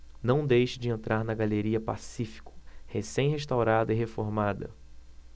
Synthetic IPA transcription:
nɐ̃w̃d̪ejʃɪd͡ʒɪẽnt̪ɾʔaɾnɐɡaleɾiɐpa̰sifi̥kʊ̥hesẽj̃ɦeʃt̪awɾad̪ɐiɦefoɾmad̪ɐ̰

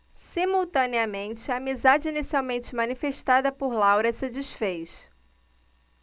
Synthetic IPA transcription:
simuwt̪ɐ̃neɐmẽnt͡ʃɪɐːmizad͡ʒɪinisiawmẽnt͡ʃɪmɐ̃nifeʃt̪ad̪ɐpoɾlawɾɐsɪd͡ʒisfejs

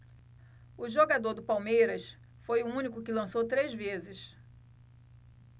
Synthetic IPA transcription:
ʊʒoɡad̪oɾd̪ʊpawmejɾɐs | fojʊũnikʊkɪlɐ̃sowt̪ɾezvezɪʃ

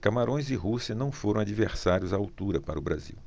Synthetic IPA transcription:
kamaɾõj̃zɪɦusiɐnɐ̃w̃foɾɐ̃w̃ad͡ʒiveɾsaɾjʊzaːwt̪uɾɐpaɾɐʊbɾazḭw

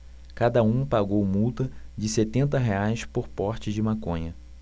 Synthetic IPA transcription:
kad̪ɐũpaɡowmuwt̪ɐd͡ʒɪset̪ẽnt̪ɐɦeajspoɾpɔɾt͡ʃɪd͡ʒɪmakõɲɐ

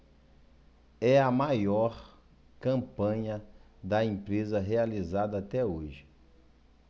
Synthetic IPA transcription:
ɛɐmajɔɾ | kɐ̃pɐ̃ɲɐd̪ɐẽpɾezɐɦealizad̪ɐːt̪ɛoʒɪ̥

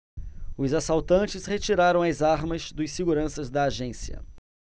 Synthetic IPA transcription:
ʊzasawt̪ɐ̃nt͡ʃɪshet͡ʃiɾaɾɐ̃w̃ɐzaɾmɐzd̪ʊsɪɡuɾɐ̃sɐzd̪ɐːʒẽsiɐ̰

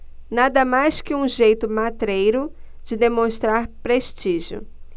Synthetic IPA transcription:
nad̪ɐmajskɪũʒejt̪ʊmat̪ɾejɾʊ | d͡ʒɪd̪emõst̪ɾaɾpɾeʃt͡ʃiʒʊ̰

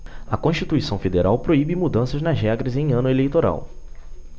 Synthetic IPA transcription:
ɐkõʃt͡ʃit̪uisɐ̃w̃fed̪eɾawpɾoibɪmud̪ɐ̃sɐznɐzɦɛɡɾɐzẽj̃ɐ̃nʊelejt̪oɾa̰w

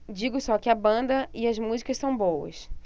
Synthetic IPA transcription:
d͡ʒiɡʊsɔkɪɐbɐ̃nd̪ɐɪɐzmuzikɐsɐ̃w̃bowɐ̰s

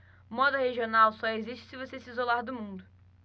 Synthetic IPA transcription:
mɔd̪ʊheʒionawsɔeziʃt͡ʃɪ̥sɪvosesɪizolaɾd̪ʊmũnd̪ʊ

